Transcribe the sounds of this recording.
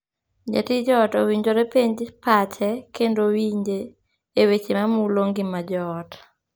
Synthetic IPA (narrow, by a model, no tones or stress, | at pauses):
d͡ʒa̰tid͡ʒɔtowiɲd͡ʒoɾepeɲd͡ʒpat͡ʃɛkendowiɲd͡ʒeː | wet͡ʃemamuloŋɡimad͡ʒɔt